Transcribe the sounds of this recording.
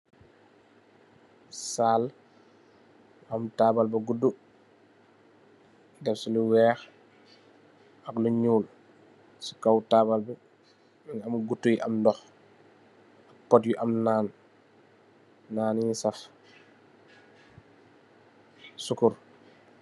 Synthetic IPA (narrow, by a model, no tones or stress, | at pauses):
saːl | ɐmtaːbalbɐɡudːu | dɛfsiluwɛːx | ɐkluɲuːl | si̥kawtaːbalbɐ | minamɡutːujiʔɐmdɔx | ak̚pɔtjuʔɐmnaːn | aːniɲisaf | sukuɾ